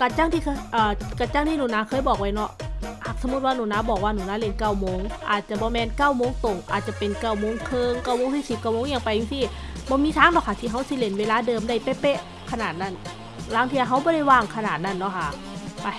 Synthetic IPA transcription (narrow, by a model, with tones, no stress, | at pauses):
ka˧˩t͡ɕa˧˥˨ŋt̪ʰiː˧kʰːʔɤː˨˧˩ka˧˩t͡ɕaː˧˩˨ŋt̪ʰiː˧˨uː˧˩˨naː˧˥kʰɤː˧˥˨jbɔː˨˩k̚wa˧˥jnɔ˧˥ʔha˧˩k̚sa˧˦mu˧˦t̪̚waː˧nuː˧˦˨naː˧˥bɔː˨˩k̚waː˧nuː˧˩naː˧˥le˧˩nka˧˩˨wmoː˧˨ŋʔaː˨˩t̪̚t͡ɕa˧˩bɔː˧˦mɛː˧˨nka˧˩˨wmoː˧˥˨ŋt̪o˨˩ŋʔa̰ː˨t̪̚t͡ɕa˧˩pe˨nka˧˩wmoː˧˥˨ŋkʰɤː˧ŋkaː˧˩wmoː˧˥˨ŋsi˧˦si˨˩p̚kaː˧˩wmoː˧˥˨ŋjaː˧˩ŋpa˨ji˧ŋsi˧˩bɔː˧˦miː˧˥t̪ʰaː˧˥˨ŋdɔ˧˨kʰa˧˩t̪ʰiː˧˩ɦa˧˥˩wsi˧˨le˧˩nweː˧laː˧˥˨dɤː˨mda˧˩jpe˧˨pe˧˥ʔ | kʰa˧naː˨˩t̪̚na˧˥˩n | laː˧˥˨ŋʰiː˧˨a˧ɦa˧˥wbɔː˧˦ɾa˧˩˨jwaː˧˩ŋkʰa˧naː˨˩t̪̚na˧˩˨nːɔ˧˥˨kʰa˧˩ | a˧˩